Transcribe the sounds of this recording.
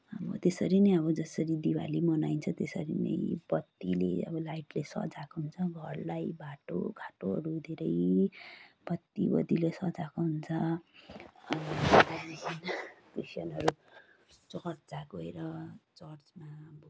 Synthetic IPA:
ʌbʌ̰t̪esʌɾinʌjʌβʌd͡zʌsʌɾid̪iwa̰limʌnajnt͡sʰʌt̪esʌ̰ɾḭnʌ̰jbʌt̪ːilḛʌ̰bʌlajʈlesʌ̰d͡zakoɦunt͡sʰʌɡʱʌrlajbaʈo̰ɡʱaʈoʌ̰ɾud̪ʱeɾʌj | b̥ʌt̪ːibʌ̰d̪ilesʌd͡zakoɦunt͡sʰʌ | ʌd̪ainkrisʌnʌɾu | t͡sʌrt̪d͡zakoeɾʌt͡sʌrd͡zmab

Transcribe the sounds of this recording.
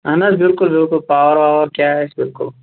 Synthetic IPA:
ɐnɐsbɪlkʊlbɪlkʊlpaːwəɾʋaːəɾkjaːɦɛsbɪlkʊ̰l

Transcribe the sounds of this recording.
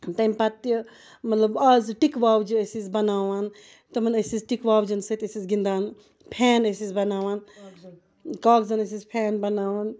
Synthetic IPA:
t̪ɐmpɐt̪ji | mɐt̪lɐbɐzʈikʋaːwd͡ʒiɐsizbɐnaːʋan | t̪ɐmɐnɐsizʈikʋaːwd͡ʒɐnsɐt̪ɐsizɡind̪aːn | pʰɛːnɐsizbɐnaːʋan | kaːkzɐnɐs̬izpʰɛːnbɐnaːʋɐn

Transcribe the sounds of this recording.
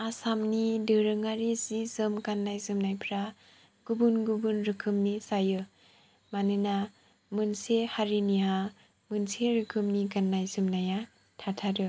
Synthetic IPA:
asamnidɯɾɯŋaɾisizɯmkanːajzɯmnajpʰɾa | ɡ̥ubunɡubunɾɯkʰɯmnisajɯ | manɯna | mɯnsehaɾiniɦa | mɯnseɾɯkʰɯmnikanːajzɯmnaja | tʰatʰaɾɯ

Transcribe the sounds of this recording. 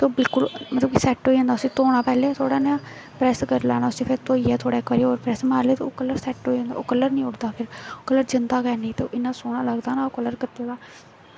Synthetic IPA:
t̪oːbɪlkʊlmət̪ləbkisɛːʈɦoːiãːnd̪ːʊsĩːt̪oːɽaːpɛːleːt̪ʰoːɽaːnjãː | pɾɛːskəɾlɛ̰ːɽ̃aːʊsẽːpʰɪɾt̪oːiːɛːt̪ʰoːɽaːkəːɾiːoːɾpɾɛːsmaːɾleːt̪eoːkəlːəɾsɛːʈɦoːiõnd̪a̰ːo̰ːkəlːəɾnĩːʊɽd̪aːpʰɪɾokəlːəɾd͡ʒɪnd̪aːɡɛːnĩːt̪eːʔɪnːãːsoːɽ̃aːləɡd̪aːnaːoːkələɾkɪt̪ːeːɡaː

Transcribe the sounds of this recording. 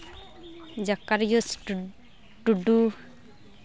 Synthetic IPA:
d͡ʒakːaɾjus | ʈuɖu

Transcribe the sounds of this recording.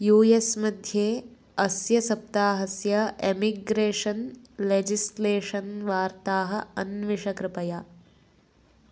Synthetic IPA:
juːesmɐd̪ʱjeː | ɐsjɐsɐp̚t̪aːɦɐsjɐemiɡɾeːʂɐnled͡ʒisleːʂɐnʋaːɾt̪aːɦɐ̆ɐnʋiʂɐkɾɪpɐja

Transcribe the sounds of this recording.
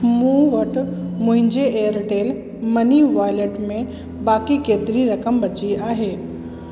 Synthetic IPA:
mũːʋɐʈmʊ̃ɦɪ̃ɲd͡ʑeeːjəɾʈeːl | mɐniʋaːjleʈmẽ | baːkikeːt̪ɪɾiɾɐkəmbɐt͡ɕiaːɦeː

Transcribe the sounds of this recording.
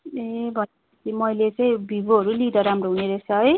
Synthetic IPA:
ebʱʌn | ʌt̪imʌjlet͡sʌ̃ĩbʱiboɦʌɾulid̪ʌɾamroɦuneɾʌsʌj

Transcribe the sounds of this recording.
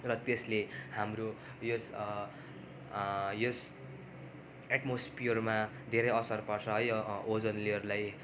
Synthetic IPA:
rʌt̪eslehamro | jos | jos | eʈmospiʌrma | d̪ʱeɾʌjʌsʌrpʌrsʰʌɦʌjod͡zʌnliʌɾulaj

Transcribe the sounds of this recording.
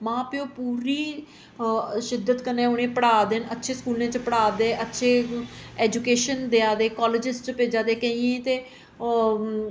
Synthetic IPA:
mãːpɪjoːpuːɾiː | ʃɪd̪ːət̪kənẽːonẽːpəɽaːd̪eːnətːʃʰeːskuːlnẽːt͡ʃəpəɽaːd̪eːʔətːʃʰeːɛːd͡ʒuːkeːʃənd̪eaːd̪eːkɔːlɪd͡ʒɪsʈt͡ʃəpeːd͡ʒaːd̪eːkə̃ĩẽːt̪eː

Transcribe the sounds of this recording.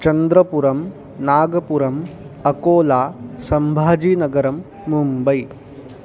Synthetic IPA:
t͡ʃɐnd̪ɾɐpuɾɐm | naːɡɐpuɾɐm | ɐkoːlaːsɐmbʱaːd͡ʒiːnɐɡɐɾɐmː | umbɐj

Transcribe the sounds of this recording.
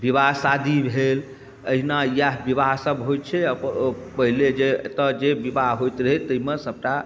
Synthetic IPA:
bibaɦsad̪ʱibʱel | əɦinajaɦbiβaɦsəbɦojt̪̚t͡ʃʰɛəppəɦiled͡ʒet̪əd͡ʒebibaɦɦojt̪ɾəɦet̪əɦimesəb̚ʈa

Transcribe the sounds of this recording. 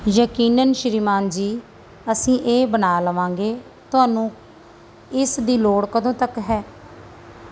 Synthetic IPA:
jəkiːnənʃɾiːmaːnd͡ʒiː | əsĩːʔeːbənaːləʋãːŋɡeː | t̪ʊaːnũː | ɪsd̪iːloːɽkəd̪õːt̪əkɦɛː

